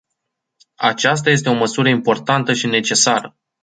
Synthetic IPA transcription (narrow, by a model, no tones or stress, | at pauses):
a̰t͡ʃas̬t̪aje̞s̬t̪e̞o̞məsuɾəimpo̞rt̪ant̪əʃine̞t͡ʃe̞saɾə